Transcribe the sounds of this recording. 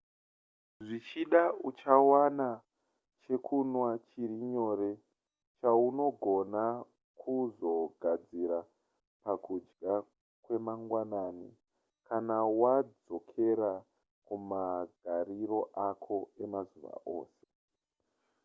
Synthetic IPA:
ʐit͡ʃiɗaut͡ʃawana | t͡ʃe̞kʰunwat͡ʃiɾiɲo̞ɾe̞ | t͡ʃauno̞ɡʱo̞na | kʰuzo̞ɡʱad͡ziɾa | pakud͡ʒɡa | kwe̞maŋɡwanani | kanawad͡zo̞kʰe̞ɾa | kumaɡʱaɾiɾo̞ʔakʰo̞e̞mazuʋa̰ʔo̞̰ːse̞̥

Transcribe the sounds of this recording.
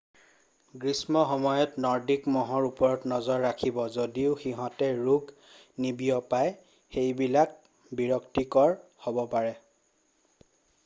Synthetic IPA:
ɡɹismɔxɔmɔjɔtnɔɹdikmɔɦɔɹupɔɹɔtnɔzɔɹːakʰibɔzodiʊxiɦɔ̃tɛɹuɡ | nibijɔpaj | xejbilak̚ | biɹɔktikɔɹhobɔpaɹɛ

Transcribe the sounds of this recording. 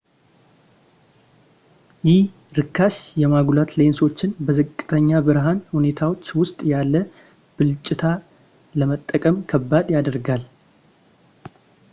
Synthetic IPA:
jɪh | ɾɨkʰːasjɛmaɡlat̪le̞nso̞t͡ʃːɪnbəzɨkʼːɨ̥t̪ʰəɲːabɨɾɦanhune̞t̪ʰawo̞t͡ʃːwʊst̪ʼjalːə | b̥ɨlt͡ʃʼːɪt̪ʰa | ləmət̪ʼːəkʼəmkʰəbːad̪jad̪əɾɡal

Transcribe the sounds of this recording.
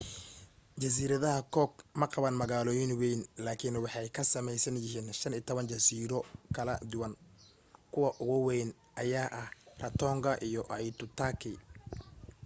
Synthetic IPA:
t͡ʃɐs̬iːɾɐðɐɦɐkʰɔːɡmɐqɑβɐnmɐɣaːlɔːjɪnwɛjnlaːkʰɪnwɑħɑjkʰɐsɐmɛjsɐnjɪɦiːnʃɐniːt̪ʰɔβɐnt͡ʃɐsiːɾɔkʰɐlɐd̪ʊwɐn | kʰʊwɑʔʊɣʊwɛjn | ʔɐjaːʔɐhrɐt̪ʰɔːŋɡʰɐʔijɔʔɐjt̪ʊt̪ʰaːkʰɪ

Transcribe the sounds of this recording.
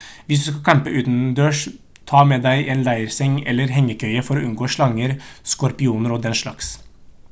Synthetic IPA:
ʋɪs̬d̪ʉːskɑkʰɑmpəʔʉːt̪nd̪øːʂ | t̪ʰɑːmɛːd̪æɪʔeːnlæɪəɾsɛŋːɛ̰lːəɾɦɛŋːəkʰœʏəfɔɾɔʉnɡoːʂɭɑŋːəɾskɔɾpɪuːnəɾɔd̪ɛnʂɭɑks

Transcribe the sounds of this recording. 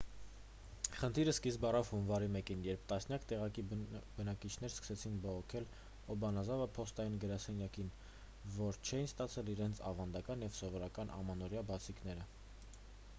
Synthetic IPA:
χənt̪ʰiɾəskisbɑrɑvhunvɑɾimɛkinjɛɾp̚ʰt̪ɑsnjɑkt̪ɛʁɑkibənɑkit͡ʃʰn̪ɛɾskə̥sɛt͡sʰinbɔʁɔkʰɛl | ɔbɑnɑzɑvəpʰɔst̪ɑjinɡəɾɑsɛnjɑkin | vɔɾt͡ʃʰɛinst̪ɑt͡sʰɛliɾɛnt͡sʰɑvɑnd̪ɑkɑnjɛvsɔvɔɾɑkɑnʔɑ̰mɑnɔɾjɑbɑt͡sʰikn̪ɛɾə

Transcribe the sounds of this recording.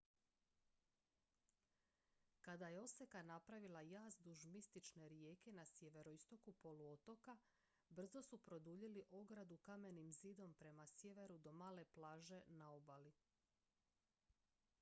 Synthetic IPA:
kad̪ajeo̞se̞kanapɾaʋilajaːzd̪uʒmist̪it͡ʃne̞ɾje̞ːke̞nasjeʋe̞ɾo̞ist̪o̞kupo̞luo̞t̪o̞ka | br̩zo̞supɾo̞d̪uʎeliʔo̞ɡɾad̪ukame̞nimziːd̪o̞mpɾe̞masje̞ʋe̞ɾud̪o̞maːle̞plˠaːʒe̞nao̞bali

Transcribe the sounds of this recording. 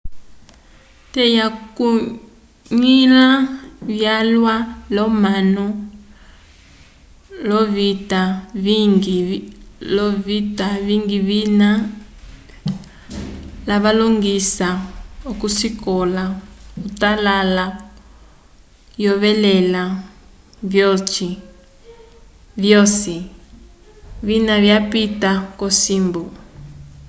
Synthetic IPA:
tɛjaku | ɲilaβjalwalɔmanɔ | lɔβitaβiŋɡi | lɔβitaβiŋɡiβina | laβaloŋɡisaokusikɔlautalala | jɔβɛlɛla | vjɔt͡ʃi | vjɔsi | βinaβjapitakɔsimbu

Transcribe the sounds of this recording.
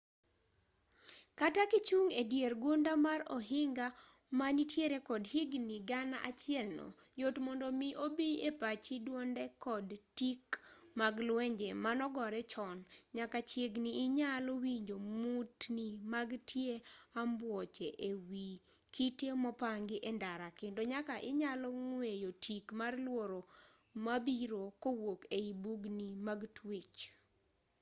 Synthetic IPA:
katakit͡ʃuŋedjeɾɡundamaɾɔ̰ɦɪŋɡa | maɲitʰjeɾekɔdhiɡniɡanaʔat͡ʃɪɛlnɔ̰jotmɔndomiʔobiepat͡ʃidwondɛkɔdtikmaɡlwɛɲd͡ʒemanɔɡɔɾɛt͡ʃɔnɲakat͡ʃeɡniːɲalɔwiɲd͡ʒomutnimaɡtʰjeambwɔt͡ʃɛʔewi | kitemɔpaŋɡɪʔɛndaɾakɪndoɲakaʔɪɲalɔŋwejotʰikmarlwoɾo | mabiɾokowokeibuɡnimaɡtʰwet͡ʃ

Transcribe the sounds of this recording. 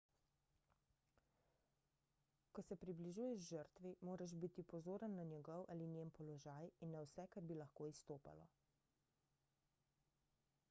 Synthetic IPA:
kɔsɛpɾibliʒuːjɛʒʒəɾt̪ʋimoːɾaʒbit̪ipɔzoːɾənːanjɛɡɔwʔalinjempɔlɔʒaːjinːawsɛkaɾbilɐxkoːist̪oːpa̰lɔ̰

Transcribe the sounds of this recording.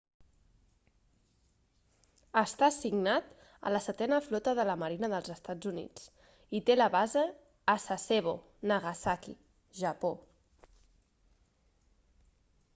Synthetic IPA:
əst̪asiɡnat̪ | ə̰ləsət̪ɛnəflɔt̪əðələməɾinəðəlˠzəst̪ad͡zunḭt͡s | it̪eləβazəː | saseβo | nəɣasakḭ | ʒəpo

